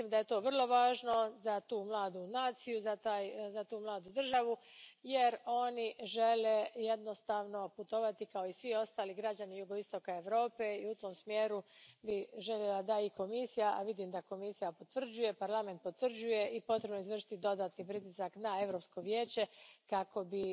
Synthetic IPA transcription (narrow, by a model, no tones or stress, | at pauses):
mimd̪aje̞t̪o̞ːʋr̩lˠo̞ʋaːʒno̞zat̪uːmlˠaːd̪unaːt̪sijuzat̪aːjzat̪uːmlˠaːd̪ud̪r̩ʒaʋujeɾo̞niʒe̞le̞je̞d̪no̞st̪aːʋno̞put̪o̞ʋat̪ikao̞isʋio̞st̪aːliɡɾad͡ʑanijuɡo̞ist̪o̞kae̞ʋɾo̞ːpe̞iut̪o̞ːmsmjeːɾubiʒe̞ʎje̞lad̪aiko̞misijaʔaʋid̪imd̪ako̞misijapo̞t̪ʋr̩d͡ʑuje̞paɾlˠame̞nt̪̚pot̪vr̩d͡ʑuje̞ipo̞t̪ɾe̞bnoizʋr̩ʂʃi̥t̪id̪o̞d̪aːt̪nipɾit̪isaknae̞ʋɾo̞ːpsko̞ʋje̞ːt͡ɕe̞kako̞bi